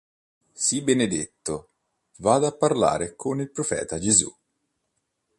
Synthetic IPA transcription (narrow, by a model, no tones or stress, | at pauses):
sibened̪et̪ːo | vaːd̪apːarla̰ːɾekʰonilpɾofɛ̰ːt̪ad͡ʒezṵ